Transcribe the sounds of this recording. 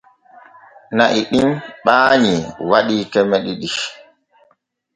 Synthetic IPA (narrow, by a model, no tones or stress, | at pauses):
naʔiɗimɓaːɲiwaɗikɛmɛɗiɗi